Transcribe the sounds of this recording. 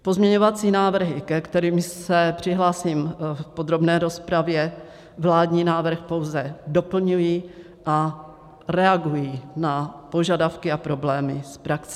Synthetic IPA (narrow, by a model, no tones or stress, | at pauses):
po̞zmɲɛɲo̞vat͡siːnaːvr̩ɦɪkɛkt̪ɛɾiːmsɛpr̝̥ɪɦlaːsiːmpod̪ɾo̞bnɛːɾo̞spɾavjɛ | vlaːdɲiːnaːvr̩xpo̞wzɛdo̞pl̩ɲujiː | ʔa | ɾɛaɡujiːnapo̞ʒadafkɪapɾo̞blɛːmɪspɾaks